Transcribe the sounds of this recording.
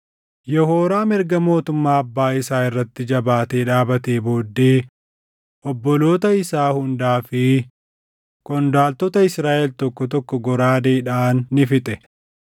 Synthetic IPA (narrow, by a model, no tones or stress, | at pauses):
jɔhoːɾaːmɪɾɡɐmo̞ːt̪ʊmːaːɐbːaːɪsaːɪrːɐt̪ːɪd͡ʒɐbaːt̪eːᶑaːbɐt̪eːbo̞ːd̪ːeː | ʔɔbːɔlo̞ːt̪ɐɪsaːhʊnd̪aːfɪ | kʼɔnd̪aːlt̪ɔt̪ɐɪsɾaːʔɛlt̪ɔkːɔt̪ɔkːɔɡɔɾaːd̪eːᶑaːnːɪfɪt̪ʼɛ